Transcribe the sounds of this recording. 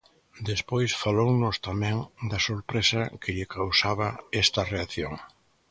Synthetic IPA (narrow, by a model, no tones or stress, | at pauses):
d̪espojsfalownʊst̪amɛ̃ŋd̪ɐsoɾpɾesɐkɪʎɪkʰawsaβ̞ɐɛst̪ɐreaθjo̰ŋ